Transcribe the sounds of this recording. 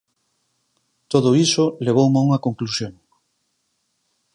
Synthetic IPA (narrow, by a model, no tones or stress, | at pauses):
t̪oðoisʊleβ̞owmauŋɐkoŋklusjoŋ